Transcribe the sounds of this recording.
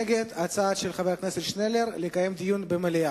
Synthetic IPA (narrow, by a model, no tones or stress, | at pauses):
eɡed̪at͡saːt̪ʃelχaveɾkneset̪ʃneleɾlekaje̞md̪ijunbemalea